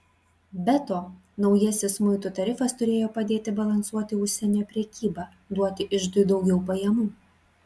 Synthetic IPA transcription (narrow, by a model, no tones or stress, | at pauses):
bʲɛt̪oː | nɒʊjɛsʲɪsmʊɪt̪ut̪ɐɾʲɪfɐst̪ʊɾʲeːjoːpɐd̪ʲeːt̪ʲɪbɐlˠɐnsuɔt̪ʲɪʊʃʲsʲɛnʲæːpʲɾʲɛkʲiːbɑː | d̪uɔt̪ʲɪʔɪʃd̪ʊd̪ɒʊɡʲɛʊpɐjɛmuː